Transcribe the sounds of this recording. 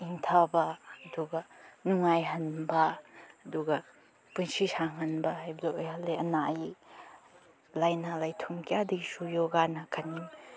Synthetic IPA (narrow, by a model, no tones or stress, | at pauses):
iŋtʰabɐɐduɡɐnuŋajɦɐnbɐːduɡɐ | punsisaŋɦɐnbɐɦajbɐlaojhɐlːeɐna | lajnalajtʰumkʰijadiɡisujoɡanɐkʰanim